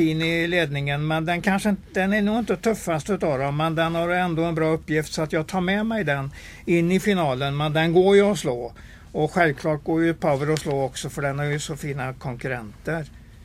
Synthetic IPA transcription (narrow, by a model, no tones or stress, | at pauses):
fiːnɪleːd̪nɪŋənmɛnd̪ɛnkʰanʂəd̪ɛnæɳuːɡɪnt̪ət̪ʰɵfːast̪ʉ̟ːt̪ɑːvd̪ɔmːɛnd̪ɛnhaɾjɛnd̪oːɛnbɾɑːɵpːjɪft̪sɔat̪jɑːɡ̚t̪ʰɑːɾmɛmɛjd̪ɛn | ɪnːɪfɪnɑːlənmɛnd̪ɛnɡoːɾjɵɔsloː | ɔɧɛlvkʰlɑːʈ̚ɡoːɾjɵpʰøːvəɾɔsloːɔksɔfœɖɛnhæɾjɵsɔfiːnakʰɔŋkɵɾɛ̰nt̪əɾ